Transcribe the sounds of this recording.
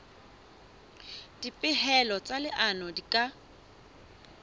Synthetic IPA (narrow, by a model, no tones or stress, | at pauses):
d̥ipʼɪhɛlɔt͡sʼalɪʔanɔdikʼa